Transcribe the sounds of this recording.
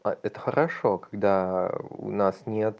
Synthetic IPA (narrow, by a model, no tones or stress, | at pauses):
aɛt̪əxəɾɐʂo̞kḁɡd̪aʊ̰nasnʲet̪